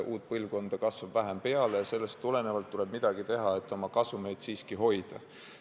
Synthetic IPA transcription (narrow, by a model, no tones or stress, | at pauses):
ʔuːt̪̚ˑpɤlvko̞nd̪̥ɑkɑsvɑb̥væɦempe̞ɑlejɑse̞lːest̪ːule̞nevɑlt̪ːule̞b̥̚mid̪̥ɑɡ̥it̪e̞ɦɑe̞t̪ːˑo̞mɑkɑsume̞jd̪̥siːskiɦo̞jd̪̥ɑ